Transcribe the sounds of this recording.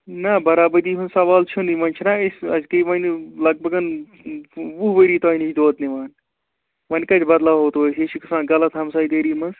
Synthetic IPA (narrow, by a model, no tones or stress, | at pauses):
nɐbɐɾaːbɐd̪iːɦunsɐʋaːlt͡ʃʰund̪imɐnʲt͡ʃʰinaesʲɐzkəʋɐnlɐɡ̚bʱɐɡɐn | ʋuɦʋəɾiːt̪aːinisʰd̪oːt̪niʋaːn | ʋɐnʲkɐt̪ʲʰbɐd̪laːɦoːt̪oseʃʰikɐsãːnɡɐlɐt̪ɦɐmsaːid̪eːɾiːmɐns